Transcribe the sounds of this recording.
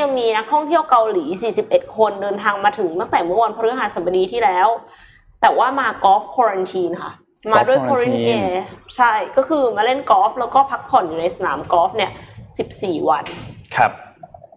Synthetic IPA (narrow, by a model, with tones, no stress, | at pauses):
a˧ŋmiː˧na˦˥k̚t̪ʰɔ˥˩ŋt̪ʰi˥˩əwka˧wliː˩˦siː˨˩si˨˩p̚ʔe˨˩t̪̚kʰo˧ndɤː˧nt̪ʰaː˧ŋmaː˧t̪ʰɯ˩˦ŋt̪a˥˩ŋt̪ɛː˨˩mɯ˥ɐwa˧npʰɔ˥ɾɯ˦˥ɦaː˨˩˦nsa˩˦ba˧diː˧t̪ʰiː˥˩lɛː˦˥w | t̪ɛː˨˩waː˥˩maː˧kɔː˦˥f̚kʰɔː˧ɾa˧nt̪ʰiː˧nkʰa̰˥˩ | maː˧du˥˩əkʰɔː˧ɾi˥˩nʔeː˧t͡ɕʰa˥˩jkɔː˥˩kʰɯː˧maː˧le˥˩nkɔː˦˥f̚lɛː˦˥wkɔː˥˩pʰa˦˥k̚pʰɔ˨˩˦njuː˨˩na˧jsa˧na̰ː˩˦mkɔː˦˥f̚ni˥˩əsi˨˩p̚siː˨˩wa˧nkʰa˧p̚